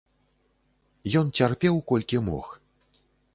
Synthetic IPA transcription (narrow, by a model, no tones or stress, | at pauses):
jɔnt͡sʲarpʲɛwkɔlʲkʲimɔ̰x